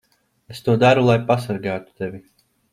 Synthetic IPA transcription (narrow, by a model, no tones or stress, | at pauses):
est̪uɔd̪aɾulˠajpasaɾɡaːt̪u̥t̪evʲi